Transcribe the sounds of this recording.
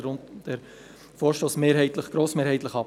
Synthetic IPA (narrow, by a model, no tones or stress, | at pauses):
ɾʊntd̥ɛɾ | foːʃtoːsmeːɾɦɛɪt̪ləχɡ̥ɾoːsmeːɾhɛɪt̪ləχɑ